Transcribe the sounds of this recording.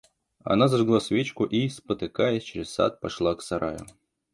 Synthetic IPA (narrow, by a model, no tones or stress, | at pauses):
ɐ̰nazaʐɡlˠasʲvʲet͡ɕkʊʔispət̪ɨkajɛsʲt͡ɕeɾʲɪssa̰t̪̚pɐʂlˠaksɐɾa̰jʊ̰